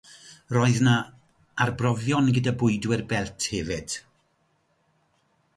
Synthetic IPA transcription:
rɔɨðna | arbrɔvjɔnɡədabʊɨdwɪrbɛltʰhɛvɪd̥

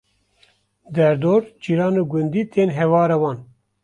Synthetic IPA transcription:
d̪ɛɾd̪oːɾt͡ʃiɾaːnuɡund̪iːt̪ʰeːnɦɛwɑːɾawɑːn

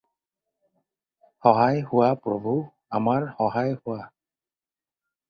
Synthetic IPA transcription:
hɔɦajhʊwapɹɔbʱu | amaɹhɔɦajhʊwa

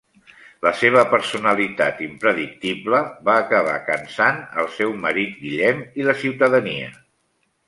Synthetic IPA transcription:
ləseβ̞əpəɾsunəlit̪a̰t̪impɾəðik̚t̪ibləβaːkəβ̞a̰kənsanə̰lˠsɛwməɾit̪̚ɡiʎɛmiləsiwt̪əðəniə̰

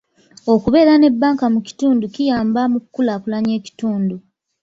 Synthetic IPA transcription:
o̞kuβe̞ːɾane̞bːaːŋkamuci̥tuːnducijaːmbamukkːulakulaɲe̞ːci̥tuːndu

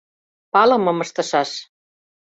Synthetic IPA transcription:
pɑlɤ̆mɤ̆mɤʃt̪ɤ̆ʃɑʃ

